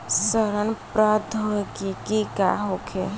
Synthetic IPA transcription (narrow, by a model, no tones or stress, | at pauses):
səɾənpɾad̪ʱɦoekikikaɦokʰe